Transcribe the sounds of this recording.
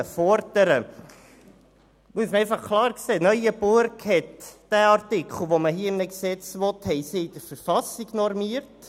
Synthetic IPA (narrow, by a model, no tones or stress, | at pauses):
əfɔɾtəɾə | muəsməɛɪfɑχkʰlɑːɾkseːnœʏəbʊɾkhɛtd̥æːɑɾtɪkʰχl̩ˠʋoməɦiːəmnɛksɛt͡sʋɔt̪hɛɪsɪid̥̪əɾfəɾfɑsiɡ̥nɔɾmiəɾt